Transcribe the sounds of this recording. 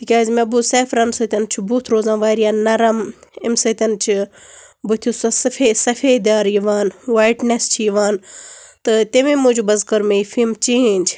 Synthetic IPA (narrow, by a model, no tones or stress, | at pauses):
t̪ikʲaːzmɐbuseːfɾɐnsɐt̪ʲɐnt͡ʃʰubuːt̪ʰɾoːzãːʋaːjɾijaːnnɐɾɐmemsɐt̪ʲɐnt͡ʃʰibut̪ʰjusɐsɐfesɐfeːd̪aːɾjiʋaːnwaːjʈnest͡ʃʰijiʋaːnt̪ɨt̪emẽːmũd͡ʒubɐzkɐɾmeifimt͡ʃeːnʲd͡ʒ